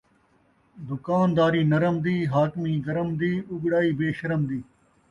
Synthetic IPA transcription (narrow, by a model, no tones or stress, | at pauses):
d̪ʊkaːnd̪aːɾiːnɐɾəmd̪iːɦaːkmiːɡɐɾəmd̪iːʊɡɽaːiːbeːʃɐɾəmd̪iː